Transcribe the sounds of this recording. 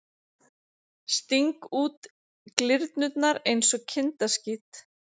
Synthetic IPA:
st̪iŋkuːt̪ | klɪɾt̪nʏt̪naɾejnsɔɣcʰɪnt̪ascit̪

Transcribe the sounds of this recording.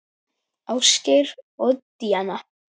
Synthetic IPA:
aːwsceɾɔɣt̪iːana

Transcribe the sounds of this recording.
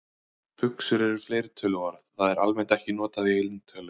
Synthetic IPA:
pʰʏksʏɾɛɾɾ̥fleːjɾɪt̪ʰœːlʏvaɾθθaðɛɾalmɛnt̪ɛhcɪnɔːt̪aðiejlnt̪ʰœːlʏ

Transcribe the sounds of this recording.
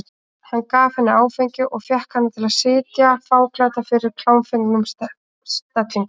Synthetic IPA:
hanːkaːvhɛnːɪaːwfejɲcʏʔɔɣfjɛhkhanːat̪ʰɪlaðsɪːt̪jafaːwklat̪afɪɾɪɾ̥kʰl̥aːwnfeŋknʏm | st̪at̪liŋkʊ

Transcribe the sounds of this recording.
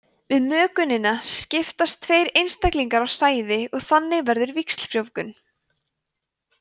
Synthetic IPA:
vɪðmœːkʏnɪnascɪft̪ast̪ʰːveːjɾejnst̪ɛjkliŋkaɾawsaːjðɪɔɣθanːɪvɛɾðʏɾviksl̥fɾjowkʏn

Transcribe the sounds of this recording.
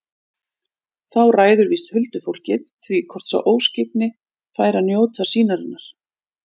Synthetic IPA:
θawraːjðʏɾviːst̪hʏlt̪ʏfowl̥cɪðθvikʰɔr̥t̪sa̰wʔoːwscɪpnɪ | faːjɾanjoːwt̪ʰasiːnaɾɪnːaɾ̥

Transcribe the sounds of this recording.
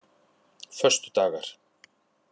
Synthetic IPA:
fœr̥st̪ʏ̥t̪aːɣaɾ̥

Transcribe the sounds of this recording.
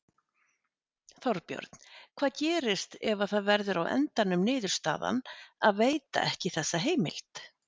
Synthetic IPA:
θɔɾpjœ̰ɾt̪n̥kʰv̥aːðcɛːɾɪst̪ɛvaθaðvɛɾðʏɾawʔɛ̰nt̪anːʏmnɪːðʏɾ̥st̪a̰ːða̰naðveːjt̪a̰ʔɛhcɪθɛsːaɦeːjmɪ̰l̥t̪

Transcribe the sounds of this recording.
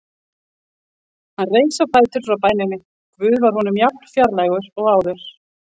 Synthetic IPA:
hanreːjsawpʰaːjt̪ʏɾ̥fɾawpaːjnɪnɪ | ɔkvʏːðvaɾ̥hɔnʏmjap̚n̥fjaɾlajɣʏɾɔɣaːwðʏɾ̥

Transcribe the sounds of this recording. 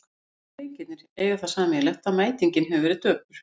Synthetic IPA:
ejcɪt̪nɪɾ̥ɛːjʏθaðsaːmɛlɛht̪amaːjt̪iɲcɪnɦɛvʏvɛɾɪðt̪œːpʏɾ̥

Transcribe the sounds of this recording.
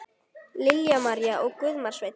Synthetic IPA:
lɪljamaɾjaʔɔɣkʏðmaɾ̥svajt̪

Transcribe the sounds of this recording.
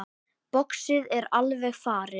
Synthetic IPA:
pɔksɪðɛɾalvɛɣfaːɾɪ

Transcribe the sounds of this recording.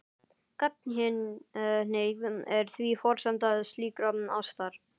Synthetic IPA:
kat̪̚nɦɪnneːjkvðʏmɛɾ̥θviːfɔɾ̥sant̪aðst̪liːkɾana̰wst̪aːɾ̥

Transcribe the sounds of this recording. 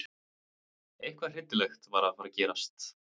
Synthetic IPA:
ejhkvḁr̥ɪt̪ːɪlɛxt̪vaːɾafaɾacɛːɾast̪

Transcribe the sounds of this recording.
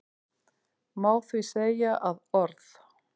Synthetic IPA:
maːwθviseːjaʔaðɔɾθ

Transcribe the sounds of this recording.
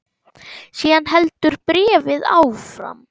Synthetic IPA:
siːanɦɛlt̪ʏɾpɾɛːvɪða̰ːwfɾa̰m

